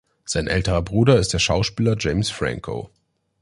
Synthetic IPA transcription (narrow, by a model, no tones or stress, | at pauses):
z̥aɪnʔɛ̰ltəʁɐbʁuːdɐɪst̚d̥eːɐʃaʊʃpiːlɐd͡ʒeɪmsfʁã̰ŋkʰo̰